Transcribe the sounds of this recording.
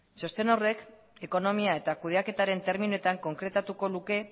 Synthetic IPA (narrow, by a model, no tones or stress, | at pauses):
so̞st̪e̞no̞re̞k | e̞ko̞no̞miae̞t̪akuð̞eake̞t̪aɾe̞nt̪e̞ɾminue̞t̪aŋko̞ŋkɾe̞t̪at̪uko̞luke̞